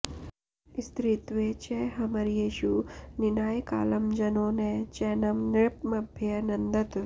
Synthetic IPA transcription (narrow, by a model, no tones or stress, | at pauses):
ist̪ɾit̪ʋet͡ʃeɦɐmɐɾjeːʃuninaːjka̰ːlɐmd͡ʒɐnoːnet͡ʃɛːnɐmnɪɭpmɐbʱjɐnɐnd̪ɐt̪ʋe